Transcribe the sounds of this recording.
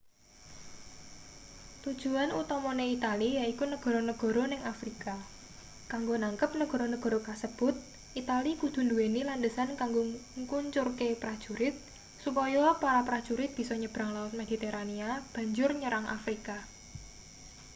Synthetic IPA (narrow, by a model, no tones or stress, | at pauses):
t̪ud̥ʒ̥ṳanut̪ɔmɔneit̪alijaikunəɡ̥ɔ̤ɾɔnəɡ̥ɔ̤ɾɔnɪŋafɾika | kaŋɡonaŋkəp̚nəɡ̥ɔ̤ɾɔnəɡ̥ɔɾɔkasəb̥ʊt̪̚ | ʔit̪alikud̪̥ṳnduenilandəsankaŋɡoŋkuɲt͡ʃʊrkepɾad̥ʒ̥uɾɪt̪̚ | supɔjɔpaɾapɾḁʒ̥uɾɪt̪̚b̥i̤sɔɲəb̥ɾaŋlawt̪̚med̪̥i̤t̪eɾaniab̥a̤ɲd͡ʒʊrɲəɾaŋʔa̰fɾika